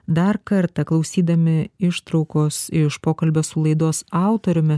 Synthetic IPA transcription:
d̪ɐɾkɐɾt̪ɐklˠɐʊsʲiːd̪ɐmʲɪɪʃt̪ɾɒʊkoːsɪʃpoːkɐlʲbʲoːsʊlˠɐɪd̪oːsɑˑʊt̪oɾʲʊmʲɪ

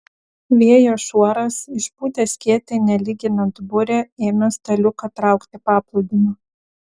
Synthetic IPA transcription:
ʋʲiɛjoːʃuɔɾɐsɪʃpuːt̪ʲesʲkʲiɛt̪ʲenʲɛlʲiːɡʲɪnɐnt̪bʊɾʲɛeːmʲɛst̪ɐlʲʊkɐt̪ɾɑˑʊkt̪ʲɪpɑːplˠʊʊd̪ʲɪmɐ

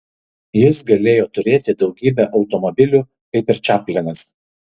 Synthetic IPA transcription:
jɪsɡɐlʲeːjoːt̪ʊɾʲeːt̪ʲɪd̪ɒʊɡʲiːbʲæʔɒʊt̪ɔmɔbʲɪlʲu | ɐɪpʲɛɾʲt͡ʃʲæːpʲlʲɛnʲɛs

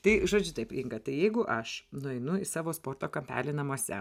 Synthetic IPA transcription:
t̪ɐɪʒoːd͡ʒʲʊt̪ɐɪpɪŋɡɐt̪ɐɪjɛɪɡʊʔɐʃnʊɛɪnʊɪsɑːʋoːspoːrt̪oːkɐmʲpʲæ̰ːlʲɪnɐmuɔsʲɛ̰

